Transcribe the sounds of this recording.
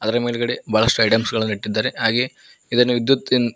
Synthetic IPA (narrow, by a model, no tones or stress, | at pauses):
ɐðɐɾɐmeːlɣɐɽebaːɭɐsʈuɐjʈɐmsɡɐɭɐnːiʈːid̪ːaːɾeɦaːɡeː | iðɐnːeʋid̪jɐt̪ːin